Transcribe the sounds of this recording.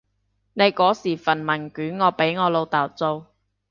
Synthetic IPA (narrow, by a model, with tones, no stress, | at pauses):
ne˨˧jkɔː˨˥siː˨˩fɐ˨˩nmɐ˨˩nkyː˨˥nŋɔː˨˧pe˨˥jŋɔː˨˧lo˨˧wt̪aː˨˩wt͡so˧w